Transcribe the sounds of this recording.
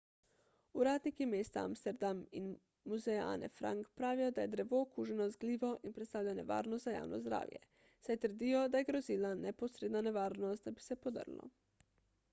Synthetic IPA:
uɾaːd̪nikimeːst̪aa̰mst̪ɛɾd̪amin | muzejaa̰nɛ̰fɾa̰ŋkpɾaːʋijɔd̪ajɛd̪ɾɛʋoːkuːʒɛnɔzɡliːʋɔʔinpɾɛt̪st̪aːwʎanɛʋa̰ːɾnɔst̪zaja̰ːwnɔ̰zd̪ɾa̰ːwjɛ̰ | sajt̪əɾd̪iːjɔd̪ajɛɡɾozilanɛpɔsɾeːd̪nanɛʋaːɾnɔst̪̚d̪abisɛpod̪ə̰ɾlɔ̰

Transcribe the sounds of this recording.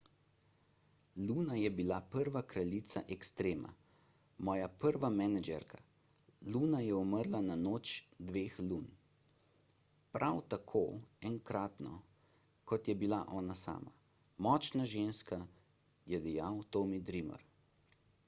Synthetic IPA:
luːnajɛbilapəɾʋakɾalit̪sa̰ʔɛkst̪ɾeːma̰ | mɔːjapəɾʋamɛnad͡ʒɛɾkʰa | luːnajɛɔməɾlananoːt͡ʃd̪ʋeːxluːn | pɾʔawt̪akʰoːɛŋkɾaːt̪nɔ̰ | kɔt̪jɛbilaʔɔːnasa̰ːma | mɔːt͡ʃnaʒeːnska | jɛd̪ɛjawt̪omid̪ɾimɔ̰ɾ

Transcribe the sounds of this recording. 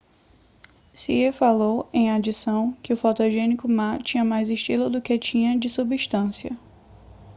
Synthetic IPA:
siefalowẽj̃ad͡ʒisɐ̃w̃kɪʊfɔt̪oʒẽnikʊmat͡ʃĩɲɐmajzɪʃt͡ʃilʊd̪ʊket͡ʃĩɲɐ̃d͡ʒɪsubiʃt̪ɐ̃siɐ̰

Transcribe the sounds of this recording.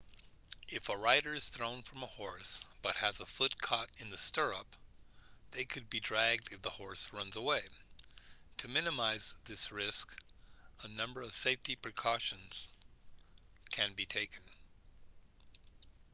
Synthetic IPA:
ɨfəɹaɪɾə˞ɨz̥θɹõʊ̃nfɹʌ̃məhɔɹsb̥ʌt̚hɨzəfʊt̚kʰɑɾɨ̃nðɨstɜ˞ʌp | ðeɪkʰɨd̚bidɹæɡ̚dɨfðəhɔɹsɹʌ̃nzəweɪ | tʰɨmɪ̃nɨmaɪzðɪsɹɪsk | ənʌ̃mbə˞ʌv̥seɪftipʰɹ̥ɨkʰɔʃɨ̃nz̥ | kʰɨ̃nbitʰeɪkʰɨ̃n̩

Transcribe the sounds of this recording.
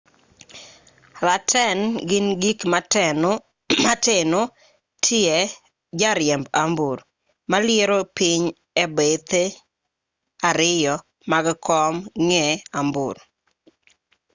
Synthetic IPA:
ɾatʰɛnɡɪnɡik | mateno | tʰɪe | d͡ʒaɾjɛmbambuɾ | malɪeɾopiɲ | ebet̪e | aɾɪjɔ | maɡkʰɔmŋɛambṵɾ

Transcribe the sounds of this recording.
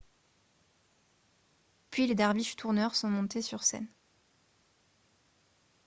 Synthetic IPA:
pɥiled̪aʁbiʃt̪ʰuʁnœʁsɔ̃mɔ̃t̪esyʁsɛ̰n

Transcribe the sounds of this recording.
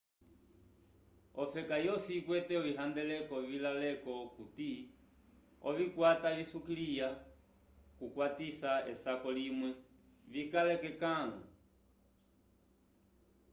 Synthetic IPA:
ɔfɛkajɔsikwɛtɛɔiɦand̪ɛlɛkɔvilalɛkɔkuti | ɔvikwataβisukilija | kukwatisaɛsakɔlimwɛ | vikalɛkɛkalɔ̰

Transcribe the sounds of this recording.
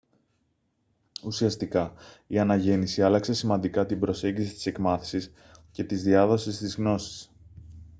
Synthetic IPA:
usiɐst̪ikɐiɐnɐʝe̞nisiɐlɐkse̞simɐnd̪ikɐt̪imbɾo̞se̞ɲɟisit̪i̥se̞kmɐθi̥sis | ce̞t̪izðiɐðo̞sist̪izɣno̞si̥s

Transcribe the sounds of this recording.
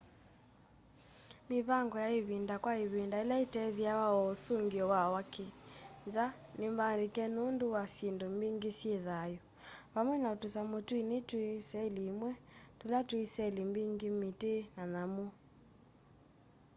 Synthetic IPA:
miβaŋɡɔjaiβindakwaiβindailaitɛðiawaɔsuŋɡiɔwawakinza | nembaɾikɛnunduwasendɔmbiŋɡisjɛðajɔ | βamwɛnautusamotuinetwesɛliːmwɛtulatwisɛlimbiŋɡimitenanamu

